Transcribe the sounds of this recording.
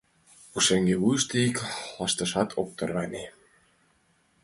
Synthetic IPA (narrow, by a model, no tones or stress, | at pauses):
uʃeŋɡeβujʃt̪eiklɑʃt̪ɤ̆ʃɑt̪ʰok̚t̪ɤ̆rɣɑne